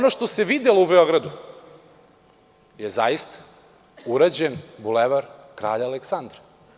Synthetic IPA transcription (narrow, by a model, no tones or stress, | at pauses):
onoʃt̪o̞se̞ʋid̪eloubeo̞ɡɾad̪u | jeza̰jist̪ḁ | uɾad͡ʑenbuleʋaɾkɾa̰ːʎaaleksand̪ɾa